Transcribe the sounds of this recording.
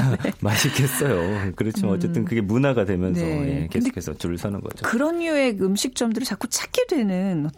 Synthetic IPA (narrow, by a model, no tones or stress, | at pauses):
maɕʰik͈es͈ʌjokɯɾʌt͡ɕʰimanʌt͡ɕ͈e̞t͈ɯnkɯɡe̞munaɡadwe̞mjʌnsʰʌjekedekes͈ʌtuɭsʰanɯ̰nɡʌ̰d͡ʑokɯɾʌnjue̞ɯmɕʰik̚t͡ɕ͈ʌmdɯɾɯɭt͡ɕak͈ot͡ɕʰak͈̚ʰedwe̞nɯnʌ